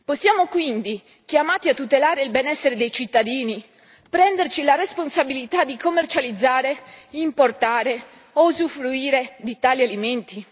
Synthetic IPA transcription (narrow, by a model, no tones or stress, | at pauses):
posːjaːmokwind̪i | k̟jamaːt̪iat̪ːut̪elaːɾeilbenɛsːeɾed̪ejt͡ʃit̪ːad̪iːni | pɾɛnd̪ert͡ʃilaresponsabilit̪ad̪ikomːert͡ʃalid̪zːaːɾeimport̪aːɾe | ozufɾuiːɾed̪it̪aːlialiment̪i